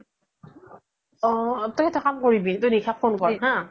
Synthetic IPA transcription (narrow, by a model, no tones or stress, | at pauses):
ɔ̃tʊkʰɛtʰɔkamkoɹibitʊnikʰapʰːonkɔɦã